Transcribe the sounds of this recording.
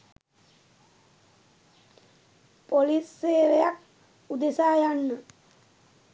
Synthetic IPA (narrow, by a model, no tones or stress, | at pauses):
polisːeːɾejak | ud̪esaːjanːə